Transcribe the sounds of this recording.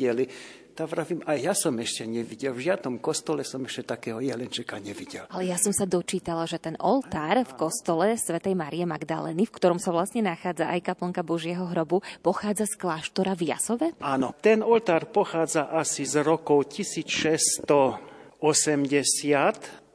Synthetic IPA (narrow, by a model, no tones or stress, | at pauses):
ɛli | t̪avɾavimajjasɔmɛʃcɛɲɛʋiɟɛlvʒɪad̪nɔmkɔst̪ɔlɛsɔmɛʃcɛt̪akɛːɦɔjɛlɛnt͡ʃɛkaɲɛʋiɟɛlalɛjasɔmsad̪ɔt͡ʃiːt̪alaʒɛt̪ɛnʔɔ̰lt̪aːɾfkɔst̪ɔlɛsʋɛt̪ɛjmaɾijɛmaɡd̪a̰lɛ̰ːnifkt̪ɔɾɔmsaʋlasɲɛnaxaːd͡zaʔajkapl̩ŋkabɔʒjɛɦɔɦɾɔbupɔxaːd͡zasklaːʃt̪ɔɾavja̰sɔʋɛanɔt̪ɛnɔlt̪aːɾpɔxaːd͡zaʔasizɾɔkɔʊcisiːt͡sʃɛst̪ɔɔsɛmɟɛsɪat̪